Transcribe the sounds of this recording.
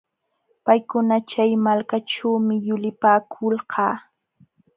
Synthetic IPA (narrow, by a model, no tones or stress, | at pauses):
pajkʊnat͡ʃajmalkaʈ͡ʂawmɪjʊlɪpaːkʰʊlɢɑː